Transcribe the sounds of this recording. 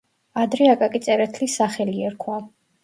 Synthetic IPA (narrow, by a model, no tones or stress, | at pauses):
ad̪ɾɛakʼakʼit̪sʼɛɾɛt̪ʰlisaχɛliɛɾkʰwa